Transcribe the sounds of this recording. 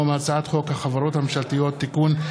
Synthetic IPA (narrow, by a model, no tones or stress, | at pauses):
omaːt͡saat̪χo̞khaχavaɾo̞t̪hamemʃalt̪ijo̞t̪ːikun